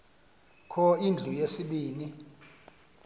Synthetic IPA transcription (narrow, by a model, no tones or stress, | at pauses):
kʰɔind͡ɮʱujesiɓiːni